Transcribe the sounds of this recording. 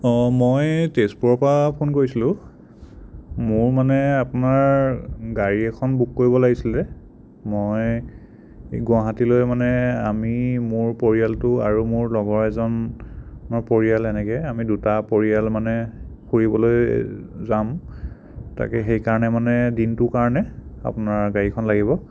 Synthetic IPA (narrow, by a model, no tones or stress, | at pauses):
mojtespuɹɔpapʰonkoɹisilʊ̃ | mʊɹmanɛapʊnaɹɡaɹiɛkʰɔnbukːoɹibɔlaɡisilɛ | mɔj | ɡwaɦatilojmanɛa̰mimʊɹpoɹijaltʊa̰ɹumʊɹlɔɡɔɹɛzɔn | mɔpoɹijalɛnɛkɛamidutapoɹijalmanɛxuɹibɔlojzam | ta̰kɛxejkaɹɔnɛmanɛdintʊkaɹɔnɛa̰pʊnaɹɡaɹikʰɔnlaɡibɔ